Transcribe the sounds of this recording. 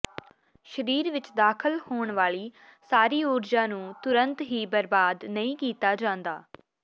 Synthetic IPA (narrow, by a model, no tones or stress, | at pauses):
ʃəɾiːɾʋɪt͡ʃd̪aːkʰəlhoːɳʋaːɭiː | saːɾiːʊːɾd͡ʒãːnũːt̪ʊɾənt̪ɦiːbəɾbaːd̪nəĩːkiːt̪aːd͡ʒãːnd̪aː